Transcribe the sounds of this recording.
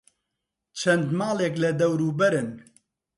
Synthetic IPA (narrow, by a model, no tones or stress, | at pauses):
t͡ʃʰɛnd̪mɑːleːklɛd̪ɛwɾuːbɛɾɨn